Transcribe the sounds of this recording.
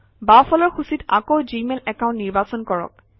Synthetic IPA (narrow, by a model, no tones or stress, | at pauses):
bafʰɔlɔɹxusitakowzimɛlɛkãʊ̃ntnːiɹbasɔnkɔɹɔ̰k̚